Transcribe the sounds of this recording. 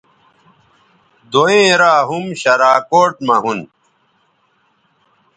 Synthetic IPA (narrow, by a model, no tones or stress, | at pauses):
d̪oẽːɾaːɦumɕɐɾaːkoːʈ̚mɐɦun